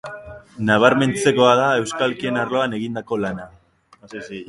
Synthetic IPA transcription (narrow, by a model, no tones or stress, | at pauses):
naβ̞aɾme̞nt͡se̞ko̞að̞ae̞wskalkie̞narloane̞ɣind̪ako̞lana